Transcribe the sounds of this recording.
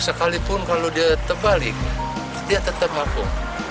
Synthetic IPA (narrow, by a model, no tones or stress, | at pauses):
səkalipʊnkalodiat̪ərbalɪk̚ | diaʔt̪ət̪əp̚mafʊŋ